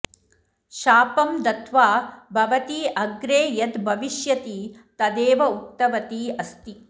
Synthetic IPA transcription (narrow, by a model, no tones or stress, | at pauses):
ʃaːpɐmd̪ɐt̪ʰʋaːbʱɐʋɐt̪iʔɐɡɾeːjɐt̪bʱɐʋiʃjɐt̪iːt̪ɐd̪eːʋɐukt̪ɐʋɐt̪iːɐst̪i